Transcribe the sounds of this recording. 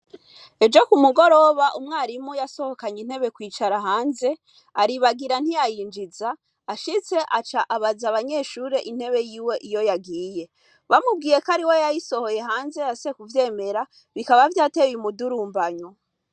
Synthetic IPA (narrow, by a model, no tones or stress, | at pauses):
e̞d͡ʒo̞kumuɡo̞ɾo̞βaʔumŋaːɾimujaso̞ho̞kaɲin̥he̞βe̞kwiːt͡ʃaɾaɦaːnze̞ | aɾiβaɡiɾan̥ijajiːnd͡ʒizaː | ʃit͡se̞ʔat͡ʃaʔaβazaβaɲe̞ʃuːɾe̞ʔin̥he̞βe̞jiːwe̞ʔijo̞jaɡiːje̞ | βamubɡiːje̞kaɾiwejajiso̞ho̞je̞ɦaːnze̞ase̞kuvje̞ːme̞ɾa | βikaβavjaːte̞jumuduɾuːmbaɲo